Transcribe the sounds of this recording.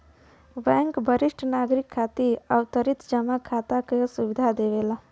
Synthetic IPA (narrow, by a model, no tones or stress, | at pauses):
bɛ̃ŋkbʱəɾiʃʈʰnaɡɾikʰːat̪iəwt̪əɾit̪d͡ʒəmakʰat̪akesuʋid̪ʱad̪eʋela